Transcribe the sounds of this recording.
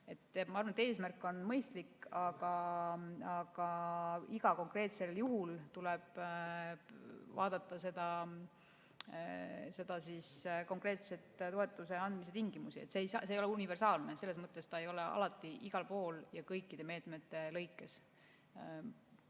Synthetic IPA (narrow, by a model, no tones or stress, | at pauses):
e̞t̪ːˑmɑɑɾrvɑnet̪e̞ːsmærkːˑo̞nmɤjst̪likːɑɡ̥ɑ | ɑɡ̥ɑiɡ̥ɑko̞ŋkre̞ːt̪se̞ljuhult̪uleb̥ | vɑ̰ːd̪̥ɑt̪ˑːɑse̞d̪ɑ | se̞d̪̥ɑsisko̞ŋkˑre̞ːt̪se̞t̪t̪o̞e̞t̪ːˑuse̞ɑnd̪̥mis̬e̞t̪iŋɡimusiet̪ːseːjsɑseːjo̞leunive̞rsɑːlne̞se̞lːe̞s̬mɤt̪ːˑe̞st̪ɑejo̞le̞ʔɑ̰lɑt̪ːˑiʔiɡ̥ɑlpo̞ːljɑkɤjkːid̪eme̞ːt̪me̞t̪ːe̞lɤ̞jkːˑe̞s